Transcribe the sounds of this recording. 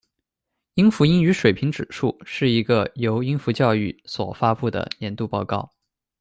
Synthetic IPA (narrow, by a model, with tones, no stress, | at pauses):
i˥ŋfu˧˥i˥ny˧˥ʂwe˨˩ɪpʰi˧˥ŋʈ͡ʂɻ̩˨˩ʂu˥˩ʂɻ̩˥˩i˧˥ɡə˧jo˧˥ʊi˥ŋfu˧˥t͡ɕjɑ˥˧ʊy˥˩swɔ̰˨˩fa˥pu˥˩d̪ə̰˩njɛ˧˥nt̪u˥˧pɑ˥˧ʊkɑ˥˩ʊ